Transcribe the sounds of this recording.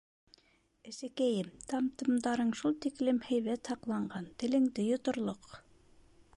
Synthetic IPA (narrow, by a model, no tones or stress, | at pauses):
ɘ̆sɘ̆kæjɘmt̪ʰɑmt̪ɤ̆md̪ɑɾɤɴʃulˠt̪iklɘmhæjβæt̪hɑqlˠɑɴɢɑnt̪ɘ̆lɘ̆ŋd̪ɘjŏt̪ŏɾlˠoq